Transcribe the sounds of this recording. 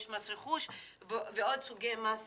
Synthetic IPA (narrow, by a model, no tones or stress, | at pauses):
ʃmasɾeχuʃ | vveod̪suɡejmas